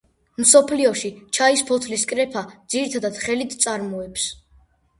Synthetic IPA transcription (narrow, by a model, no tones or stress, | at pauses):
msɔpʰliɔʃit͡ʃʰaispʰɔt̪ʰliskʼɾɛpʰad̪ziɾit̪ʰad̪ad̪̥χɛlit̪ʰt̪sʼaɾmɔɛps